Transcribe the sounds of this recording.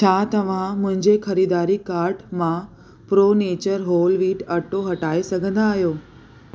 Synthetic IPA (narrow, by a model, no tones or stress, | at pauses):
t͡ɕʰaːt̪ɐʋ̤ãmʊ̃ɦɪ̃ɲd͡ʑexɐɾid̪aːɾikaːɾɖmã | pɾoːneːt͡ɕəɾɦoːlʋiːʈɐʈoɦɐʈaːisɐɡʱə̃nd̪aːɦijoː